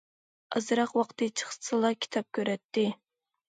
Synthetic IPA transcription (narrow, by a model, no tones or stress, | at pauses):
ɑ̰zɨɾɑqwɑqt̪ʰɨt͡ʃʰə̥χsʰɨlˠɑkʲʰi̥t̪ʰɑp̚kʲʰøɾɛt̪ːɪ